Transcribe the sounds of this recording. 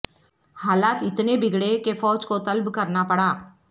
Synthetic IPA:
haːlaːt̪ɪt̪nebɪɡɽekefɔːd͡ʒkot̪ɐlbkɐɾnapɐɽaː

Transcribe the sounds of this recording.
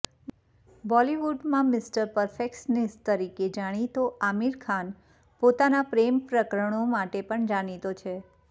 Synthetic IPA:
bɔliʋuɖmãmɪsʈəɾpəɾfeksnest̪əɾiked͡ʒaɽ̃it̪oʔamiɾkʰan | pot̪anapɾempɾəkɾəɳ̃omaʈepəɳd͡ʒaɽ̃it̪ot͡ʃʰe

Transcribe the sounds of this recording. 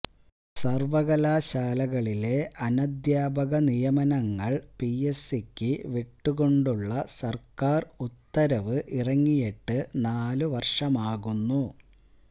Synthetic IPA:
sɐrʋɐɣɐlaːɕaːlɐɣɐɭile̞ʔɐnɐd̪jaːbɐɣɐnijɐmɐnɐŋːɐɭpijesikʲːɨʋeʈːuɣo̞ɳɖuɭːɐsɐrkaːrut̪ːɐɾɐʋɨʔirɐŋːijeʈːɨnaːluʋɐrʂɐmaːɣunːu

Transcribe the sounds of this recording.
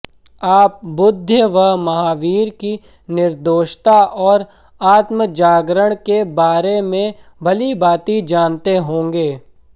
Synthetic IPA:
aːp̚bʊd̪ʱjəʋəɦmɐɦaːʋiːɾki | nɪɾd̪oːʃt̪aʔɔːɾ | aːt̪məd͡ʒaːɡɾəɽ̃kebaːɾemẽbʱɐlibaːt̪id͡ʒaːnt̪eɦõːŋɡeː

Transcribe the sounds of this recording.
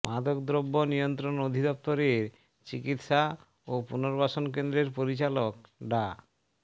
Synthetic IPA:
mad̪okd̪ɾobːonijont̪ɾonod̪ʱid̪ɔp̚t̪oɾeɾ | t͡ɕikit̪ʃa | opunoɾbaʃonkend̪ɾeɾpoɾit͡ɕalok̚ɖa

